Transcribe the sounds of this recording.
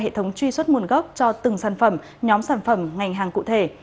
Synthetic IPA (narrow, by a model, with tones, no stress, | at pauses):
ɦḛ˧˨t̪ʰə˨˦wŋ͡mt͡ɕwi˧swə˦˥t̚mu˨˩nɣə˦˥wk͡p̚t͡ɕɔ˧t̪ɨ˨˩ŋsaː˧˩nfə˧˩m | ɲɔ˨˦msaː˧˩nfə˧˩mŋa˨˩jŋ̟ɦaː˨˩ŋkṵ˧˨t̪ʰe˧˩